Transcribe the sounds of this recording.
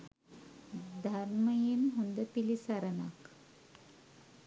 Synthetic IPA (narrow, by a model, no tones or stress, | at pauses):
d̪ʱaɾməjimɦund̪əpilisaɾəna̰k